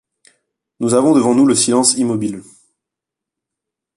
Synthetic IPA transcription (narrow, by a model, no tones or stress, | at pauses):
nuzavɔ̃d̪əvɑ̃nuləsilɑ̃simɔbil